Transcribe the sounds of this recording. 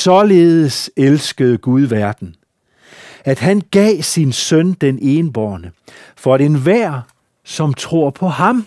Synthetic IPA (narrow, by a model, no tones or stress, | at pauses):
sɒ̽le̝ːðˠəselsɡ̥əðˠɡ̥uð̞ˠʋæɐd̥n̩ | æd̥ɦænɡ̥ɛ̰ːsinsœnd̥enʔe̝ːnb̥ɒ̰ːnəfɒ̽ɾ̥enʋæɐ̰ | sɒ̽mt͡sʰʁo̝ɐ̰pʰɒ̽hɑ̈m